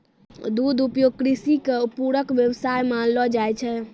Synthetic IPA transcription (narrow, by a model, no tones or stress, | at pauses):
d̪ud̪upjoɡ̚kɾisikepuɾəkʋjəwsajmanlɔd͡ʒajt͡ʃʰɛ